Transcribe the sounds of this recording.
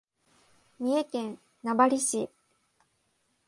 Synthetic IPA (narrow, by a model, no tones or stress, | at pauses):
mʲiekẽ̞n | nabaɾʲiɕi